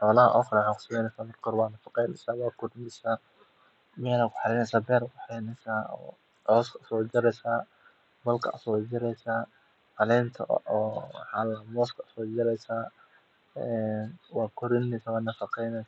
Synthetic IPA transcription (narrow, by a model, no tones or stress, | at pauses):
ħɔːlɐɦɐ̰ʔɔxrɛħakʰʊ̥sʊmɛjnɛjsaːmɪɾkʰɔːɾwaːnɐfɑqɛjnɛjsaːwɑːkʰʊd̪mɪsaː | mɛːlakʰʊ̥ħɑlɛnɛjsaːbɛːɾakʰʊħɛjnɛsaːɔ̰ː | ʕɔskʰɐsɔːd͡ʒɪɾɛjsaː | bɐlkʰɐ̰sɔːd͡ʒɪɾɛjsaː | hɐlɛːnt̪ʰɐ̰ʔɔːħalɐmɔːskʰɐsɔːd͡ʒɪɾɛjsaː | ɛnwɑːkʰɔɾɪnːɛjsawaːnɐfɑqɛjnɛ